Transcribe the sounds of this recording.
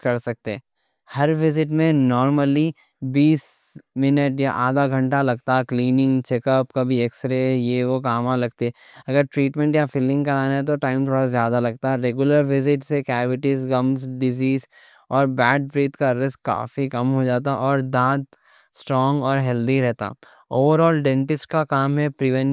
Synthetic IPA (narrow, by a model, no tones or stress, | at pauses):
kɐɾsɐk̚t̪eɛ | hɐɾʋɪzɪʈmẽnɔːɾməli | biːs | mɪnəʈjaʔaːd̪aɡʱɐ̃ɳʈalɐɡt̪aɦɛkliːnɪ̃ŋɡt͡ʃeːkəpkɐbʱieksɾejeʋokaːmãlɐɡt̪eɛ | ɐɡəɾʈɾiːʈmɛ̃ɳʈjafɪlɪ̃ŋɡkɐɾaːnaɦɛt̪̬oʈaːɪmt̪ʰoːɽazjaːd̪alɐɡ̚t̪aɦɛɾeːɡjʊləɾʋɪzɪʈsekɛːʋɪʈizɡɐmsɖɪziːz | ɔːɾbɛːɖ̚pɾiːt̪kaɾɪsʈ̚ka̰ːfikɐmɦod͡ʒaːt̪aʔɔːɾd̪aːd̪̚ | sʈɾɔːŋɡɔːɾɦɛːld̪iɾɛɦt̪a̰ː | oːʋəɾɔːlɖẽːɳʈɪsʈ̚kakaːmɦɛpɾɪʋɛ̃n